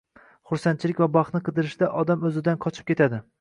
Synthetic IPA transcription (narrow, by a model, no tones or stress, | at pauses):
χʊɾsant̪t͡ʃʰɪlɪkʲvabɑχt̪nɪqʰɨd̪ɪɾɪʃd̪aʔɒd̪amɵzɪd̪anqʰɒt͡ʃʰɪ̥p̚kʲe̞t̪ʰad̪ɪ